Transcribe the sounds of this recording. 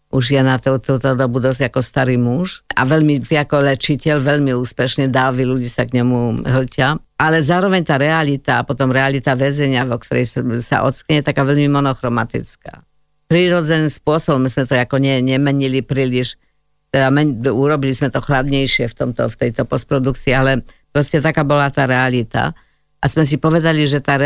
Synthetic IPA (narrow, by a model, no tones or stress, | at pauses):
ʔuʒjɛnat̪ɔt̪ɔʊt̪ɔd̪ɔbud̪ɔzakɔst̪aɾimuʃa̰ʋɛʎmit̪iakɔlɛt͡ʃicɛʎʋɛʎmiuːspɛʃɲɛd̪aːʋiluɟiːsakɲɛmuɦlcɪa | ʔalɛzaːɾɔʋɛɲt̪aːɾɛalit̪aːpɔt̪ɔmɾɛalit̪aʋɛzɛɲɪavɔkt̪ɔɾɛjssa̰ʔɔ̰t̪t͡skɲɛjɛt̪akaːʋɛʎmimɔnɔxɾɔmat̪ḭt͡ska̰ː | pɾiːɾɔd͡zɛniːspʊɔsɔbɔmizmɛt̪ɔakɔɲɛɲɛmɛɲilipɾiːliʃ | t̪ɛd̪amɛɲuɾɔbilizmɛt̪ɔxlad̪ɲɛjʃɪɛft̪ɔmt̪ɔ̰ft̪ɛjt̪ɔpɔst̪pɾɔd̪ukt͡siːalɛpɾɔscɛt̪akaːbɔlat̪aːɾɛalit̪a̰ | ʔazmɛs̬ipɔʋɛd̪aliʒɛt̪aːɾɛ